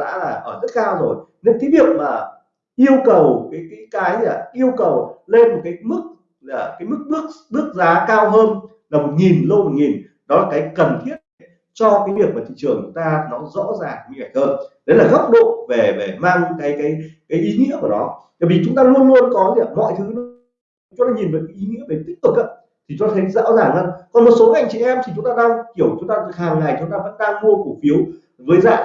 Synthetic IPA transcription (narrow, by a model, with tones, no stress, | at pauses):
ɗa̰ː˧˥laː˨˩ʔəː˧˩zə˦˥t̚kaː˧wzo˨˩j | ne˧˥nkaː˨˦ɗi˨˩ək̚maː˨˩ | ʔi˧əwkə˨˩wkaː˨˦jkaː˨˦jkaː˨˦jaː˨˩ʔi˧əwkə˨˩wle˧nmo˨˩t̚kaː˨˦jmɨ˦˥k̚ | laː˨˩kaː˨˦jmɨ˦˥k̚ɓɨ˦˥ək̚ɓɨ˦˥ək̚zaː˨˦kaː˧wɦəː˧n | laː˨˩mo˨˩t̚ŋi˨˩nlə˧wmo˨˩ŋi˨˩n | ɗɔ˨˦laː˨˩kaː˨˦jkə˨˩nt̪ʰi˦˥ət̚a˨˩ | t͡ɕɔ˧kaː˨˦jvi˨˩ək̚maː˨˩t̪ḭ˧˨t͡ɕɨ˨˩əŋt͡ɕʊ˨˦ŋ͡mt̪aː˧nɔ˨˦zɔ̰˧˥zaː˨˩ŋmi˧˩ŋa˧˩j̟̚həː˧nɗe˨˦laː˨˩ɣə˦˥wk͡p̚ɗo̰˧˨ve˨˩ve˨˩maː˧ŋkaː˨˦jkaː˨˦jkaː˨˦jʔi˨˦ŋḭ˧˥əku˧˩ɗɔ˨˦t̪aː˧˩jvi˨˩t͡ɕʊ˨˦ŋ͡mt̪aː˧ŋlu˧ənlu˧ənkɔ˨˦zi˧˩˨mɔ̰˧˨jt̪ʰɨ˨˦˨ | t͡ɕʊ˨˦ŋ͡mt̪aː˧ɲi˨˩nvə˨˩kaː˨˦ʔi˨˦ŋḭ˧˥əɓe˨˦nt̪i˦˥k̚t̪ɨ˨˩k̚a̰ː˧˦˥ | t̪ʰi˨˩t͡ɕʊ˨˦ŋ͡mt̪aː˧˨˦jza̰ː˧˥wzaː˨˩ŋə˧nkɔ˨˩nmo˨˩t̚so˨˦kːŋt͡ɕḭ˧˩˨ʔɛ˧mt̪i˨˩t͡ɕʊ˨˦ŋ͡mt̪aː˧ɗaː˧ŋki˧˩əwt͡ɕʊ˨˦ŋ͡mt̪aː˧tɨ˨˩haː˨˩ŋːa˨˩jt͡ɕʊ˨˦ŋ͡mt̪aː˧və̰˧˥nɗaː˧ŋmu˧əku˧˩fi˨˦əw | vəː˨˦jza̰ː˧˨˩